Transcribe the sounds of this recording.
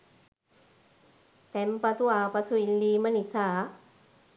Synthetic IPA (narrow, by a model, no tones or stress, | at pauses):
t̪empɐt̪uaːpɐsuilːiːmɐnisaː